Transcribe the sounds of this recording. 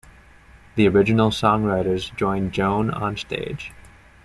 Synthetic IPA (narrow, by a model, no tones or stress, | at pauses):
ðiə˞ɪd͡ʒɨn̩l̩ˠsɔ̃ŋɹaɪɾə˞zd͡ʒɔ̃ɪ̃nd͡ʒõʊ̃nə̰̃nstḛɪd̥ʒ̥